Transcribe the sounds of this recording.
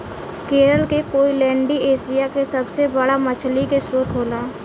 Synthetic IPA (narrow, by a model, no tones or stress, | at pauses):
keːɾəlkekoːilɛ̃ːɳɖieːsijakesɐbsebəɽamət͡ʃʰlikesɾoːt̪ɦoːlaː